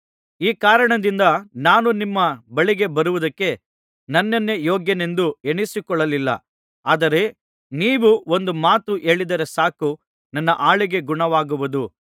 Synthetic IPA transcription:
iːkaːɾɐɳɐd̪ind̪ɐnaːnunimːɐbɐɭiɡe̞bɐɾuʋud̪ɐkːe̞ | nɐnːɐnːe̞joːɡjɐne̞nd̪ueɳisikɔɭːɐlilːɐ̰ | aːd̪ɐɾe̞ | niːʋuo̞nd̪umaːt̪uʔe̞ːɭid̪ɐɾesaːku | nɐnːɐ̰ʔaːɭiɡe̞ɡuɳɐʋaːɡuʋud̪u

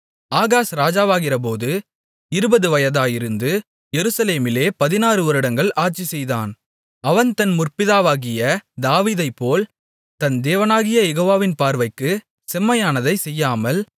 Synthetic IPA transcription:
aːɣaːsɾaːd͡ʒaːʋaːɣɪrɐp̬oːðɯ | ɪɾɯbɐðɯʋɐjɐðaːjɪɾɯnd̪ɯ | jɛɾɯsɐleːmɪleːpɐðɪnaːrɯʋɔɾɪɽɐŋɡɐɭʔaːʈt͡ʃisɛjðaːn | ɐʋɐnt̪ɐnmʊrpɪðaːʋaːɣɪjɐd̪aːʋiːðɐɪpːoːl | t̪ɐnd̪eːʋɐnaːɣɪjɐjɛɣoːʋaːʋɪnpaːɾʋɐɪkːɯ | sɛmːɐjaːnɐðɐɪsɛjːaːmɐl

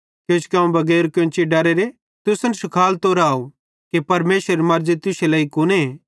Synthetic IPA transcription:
kjõt͡ʃʰkãːũbʱɐɡɛːɾkõt͡ʃiɖɐɾeɾe | t̪ʊsɐnsʊkʰaːlt̪oːɾaːo | kepɐɾmeːsɾeɾemɐɾd͡ʒit̪ʊselɐːikʊne

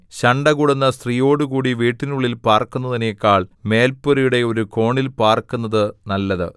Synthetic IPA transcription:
ɕɐɳɖɐɣuɽunːɐst̪rijo̞ːɽukuːɽiʋiːʈːinuɭːilpaːrkːunːɐðinejekːaːɭme̞ːlpuɾijuɽe̞o̞ɾuko̞ːɳilpaːrkunːɐðɨnɐlːɐðɨ̰

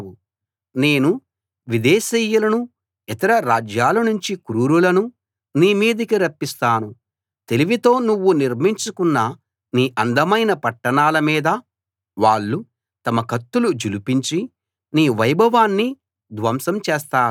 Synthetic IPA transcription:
u | neːnu | ʋid̪ɛːsijːulɐnu | it̪ɐɾɐɾaːd͡ʒjaːlɐnuɲt͡ʃikuɾuːɾulɐnu | niːmiːd̪ɐkiɾɐpːist̪aːnu | t̪e̞liʋit̪o̞ːnuʋːuniɾmiɲt͡ʃukunːɐ | niːʔɐnd̪ʱɐmɐjnɐpɐʈːɐɳaːlɐmiːd̪ɐ | ʋaːɭːu | t̪ɐmɐkɐt̪ːulud͡ʒulupiɲt͡ʃi | niːʋɐjbʱɐʋaːnːi | d̪ʋɐmsɐmt͡ʃeːst̪aː

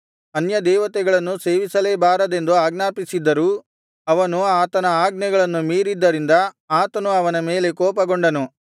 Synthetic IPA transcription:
ɐnjɐd̪ɛːʋɐt̪ɛɡɐɭɐnːuseːʋisɐleːbaːɾɐd̪e̞nd̪uaːɡnaːpisid̪ːɐɾuː | ɐʋɐnuaːt̪ɐnɐaːɡnɛɡɐɭɐnːumiːɾid̪ːɐɾind̪ɐ | aːt̪ɐnuɐʋɐnɐme̞ːle̞kɔːpɐɡoɳɖɐnu

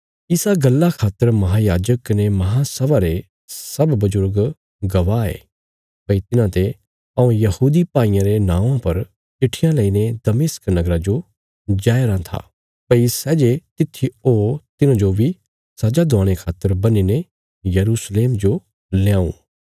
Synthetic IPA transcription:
ɪsaɡɐlːakʰaːt̪ːəɾmɐɦaːjaːd͡ʒəkːɐnemɐɦasɐʋaɾe | sɐbbɐzʊɾɡ | ɡɐʋaːḛː | pɐit̪ɪnãt̪e | ɐũjɐhuːd̪ipaːĩːãɾenãːãpɐɾ | t͡ʃɪʈʰɪjãlɐined̪ɐmɪsknɐɡɾad͡ʒo | d͡ʒaːeɾãt̪ʰa̰ː | pɐisɛːd͡ʒet̪ɪt̪ʰːioːt̪ɪnãd͡ʒobʱi | sad͡ʒad̪ɔːɽ̃ekʰaːt̪ːəɾbɐnine | jɐɾuːsleːmd͡ʒo | leãːṵ̃ː

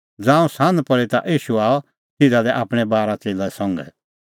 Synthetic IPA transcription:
d͡zãːũsãːnd̪pɐɽit̪a̰ʔiːʃuaːɔ | t̪ɪdalɛʔaːpɽ̃ɛbaːɾat͡seːlaɛsɔ̃ŋɡɛ̰

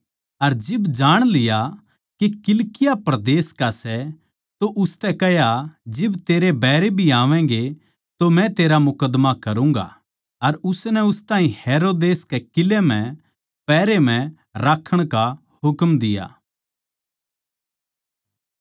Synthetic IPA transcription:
ɐɾd͡ʒɪbd͡ʒaːɽ̃lɪja | kikɪlkɪjapɾɐd̪eːskasɛ | t̪oʔʊst̪ɛkɛɦjad͡ʒɪbt̪eːɾebɛːɾebʱiaːʋɛ̃ːɡe | t̪omɛ̃t̪eːɾamʊkəd̪makɐɾũːŋ̆ɡa̰ | ɐɾʊsnɛʊst̪ãːɦĩheːɾoːd̪eːskekɪlːemɛ̃ | pɛːɾemɛ̃ | ɾaːkʰːəɽ̃ka | hʊkmd̪ɪja̰ː

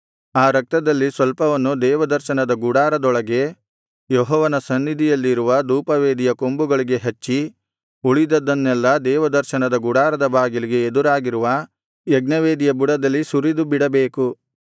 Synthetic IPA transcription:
aːɾɐk̚t̪ɐd̪ɐlːisʋɐlpɐʋɐnːud̪ɛːʋɐd̪ɐɾʃɐnɐd̪ɐɡuɽaːɾɐd̪ɔɭɐɡe̞ | jɔɦɔːʋɐnɐsɐnːid̪ʱijɐlːiɾuʋɐd̪uːpɐʋeːd̪ijɐko̞mbuɡɐɭiɡe̞ɦɐt͡ʃːi | uɭid̪ɐd̪ːɐnːɛlːɐd̪ɛːʋɐd̪ɐɾʃɐnɐd̪ɐɡuɽaːɾɐd̪ɐbaːɡiliɡe̞ed̪uɾaːɡiɾuʋɐ | jɐɡnɐʋeːd̪ijɐbuɽɐd̪ɐlːisuɾid̪ubiɽɐbe̞ːku

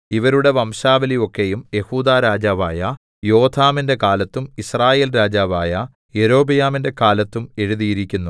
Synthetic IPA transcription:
iʋɐɾuɽe̞ʋɐmɕaːʋɐliʋo̞kːe̞jumje̞huːd̪aːɾaːd͡ʑaːʋaːjɐ | jo̞ːt̪ʰaːminde̞kaːlɐt̪ːumisraːje̞ːlɾaːd͡ʑaːʋaːjɐ | je̞ɾo̞ːbɐjaːminde̞kaːlɐt̪ːume̞ɻuðijiɾikʲːunːu

